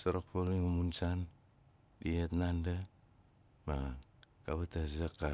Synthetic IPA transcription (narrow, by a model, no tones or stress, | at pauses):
soɾok̚poliŋumunsan | dietnanda | makaβatasakːa